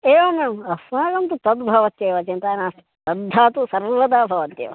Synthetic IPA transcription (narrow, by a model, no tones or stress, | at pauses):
eːʋomɐmɐsmaːɡɐnt̪ut̪ɐd̪bʱɐʋɐt̪jeːʋɐt͡ʃɐnt̪aːnaː | t̪ɐd̪ʱːaːt̪usɐɾʋɐd̪aːbʱɐʋɐt̪jḛːʋɐ̰